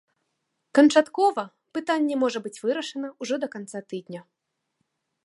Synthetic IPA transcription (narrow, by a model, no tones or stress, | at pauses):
kɐnt͡ʂat̪kɔvɐ | pɨt̪anʲːɛmɔʐɐbɨt͡sʲvɨɾɐʂɐnɐuʐɔd̪ɐkant̪sat̪ɨd̪ʲnʲɐ